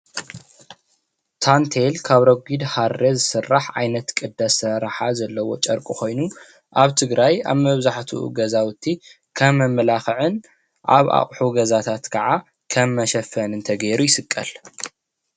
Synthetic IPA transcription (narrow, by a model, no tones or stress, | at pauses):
t̪ʰant̪ʰelkʰaβɾɐɡʷid̪haɾːezɨsɨrːaħʔajnɐt̪kʼɨd̪ːasɐɾaħazɐlːɐwo̞t͡ʃʼɐɾkʼuko̞jnu | ʔaβt̪ʰɨɡɾaja̰βmɐβzaħt̪ʰuʔṵɡɐzawʊt̪ʰːi | kʰɐmːɐmɐlaxɨʕɨn | ʔaβa̰χʼħuɡɐzat̪ʰat̪kʰɐʕa | kʰɐmːɐʃɐfɐnɨnt̪ʰɐɡeɾujɪsɨkʼːɐl